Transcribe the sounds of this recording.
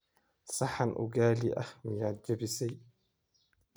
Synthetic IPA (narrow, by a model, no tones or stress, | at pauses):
sɑħanʔʊ̰ɡaːliʔɐ̰hmɪjaːt̪̚d͡ʒɐbɪsɛj